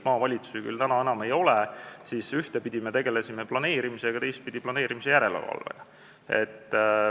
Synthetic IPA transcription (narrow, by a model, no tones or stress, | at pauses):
mɑːvɑlʲit̪su̥siky̰lt̪ænɑe̞nɑmejo̞lesisyht̪epid̪̥ʲimet̪e̞ɡ̥e̞lesimeplɑne̞ːɾimiseɡɑt̪e̞jst̪̚pid̪̥ʲiplɑne̞ːɾimise̞jæɾe̞lḛvɑ̰lvḛ̥ | ḛt̪ː